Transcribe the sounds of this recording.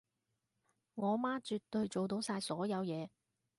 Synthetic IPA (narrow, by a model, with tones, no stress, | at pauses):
ŋɔː˨˧maː˥t͡ʃyː˨t̪ɵ˨˧ɥt͡ʃo˨wt̪o˨˥wsaː˧jsɔː˨˥jɐ˨˧wjɛː˨˧